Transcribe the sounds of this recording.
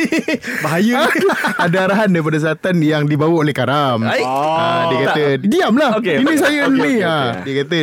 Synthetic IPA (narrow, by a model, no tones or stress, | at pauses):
baɦajəadaaɾaɦandaɾip̬adas̬əlat̪anjaŋdibawəolɛhkaɾamadiəkat̪ədiamlahokinĩs̬ajəniadiəkat̪ə